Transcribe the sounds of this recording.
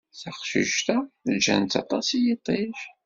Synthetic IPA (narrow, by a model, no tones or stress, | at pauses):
θɑχʃḭʒt̪æd͡ʒæ̰nt̪ɑ̰t̪ˤɑsijit̪ˤːiʃ